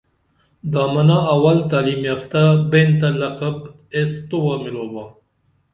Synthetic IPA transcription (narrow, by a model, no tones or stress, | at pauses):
d̪aːmanaːwalt̪aːlimjaft̪abent̪alaqab | est̪uwamiloːba